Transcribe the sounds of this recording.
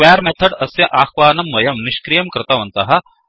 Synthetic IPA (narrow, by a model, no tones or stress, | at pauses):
ʋɛːɾmet̪ʰɐɖɐsjɐʔaːxʋaːnɐmʋɐjɐmniʃkɾijɐmkɾɪt̪ɐʋɐnt̪ɐɦɐ̆